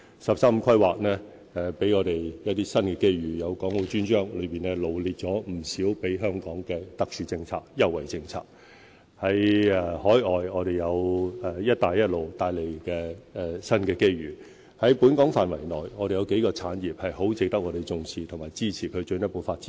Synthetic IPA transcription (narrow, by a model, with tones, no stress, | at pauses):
sɐ˨p̚saː˥m̩˧kʰɐ˥jwaː˨k̚nɛ˥ | ɛ˨˧pe˨˥jŋɔː˨˧ɾe˨˩jjɐ˥t̪iː˥sɐ˥nkɛː˧ke˥jɥyː˨˩jɐ˨˧wkɔː˨˥ŋlo˨˧t͡ʃyː˥nt͡ʃœː˥ŋlɵ˨˧ɥpiː˨˩nɛː˥lo˨wliː˨t̚t͡ʃɔː˨˥m̩˨˩siː˨˥wpe˨˥jɦœː˥ŋkɔː˨˥ŋkɛː˧t̪ɐ˨k̚syː˨t͡sɪ˧ŋt͡sʰa̰ː˧k̚jɐ˥wɐ˨˩jt͡sɪ˧ŋt͡sʰa̰ː˧k̚ | hɐ˨˥jɛ˧hɔː˨˥jɔː˨jŋɔː˨˧ɾe˨˩jɐ˨˧wɛ˨˧jɐ˥t̚t̪aː˨˧jːɐ˥t̚lo˨wt̪aː˧jle˨˩jkɛː˧ɛ˨˧sɐ˥nkɛː˧ke˥jɥyː˨˩ | hɐ˨˥jpuː˨˥nkɔː˨˥ŋfaː˨nwɐ˨˩jnɔː˨˩jŋɔː˨˧ɾe˨˩jɐ˨˧wke˨˥jkɔː˧t͡sʰaː˨˥njiː˨˩p̚hɐ˨jɦo˨˥wt͡sɪ˨˧k̚t̪ɐ˥k̚ŋɔː˧e˨jt͡sʊ˧ŋsʰiː˨t̪ʰʊ˨˩ŋmaː˨˩jt͡siː˥t͡sʰiː˨˩kʰɵ˨˧ɥt͡ʃɵ˧njɐ˥t̚po˨˧wfaː˧t̚t͡si̥˨